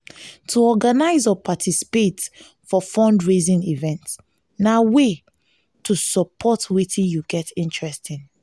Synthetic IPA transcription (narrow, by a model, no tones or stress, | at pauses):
tʰuɔɡanaɪzɔpʰatʰisi̥pet | fɔfɔ̃ndɹezĩnivɛ̃nts | nawe | tʰusɔpʰɔtwetʰĩjuɡɛtĩntɹɛstĩn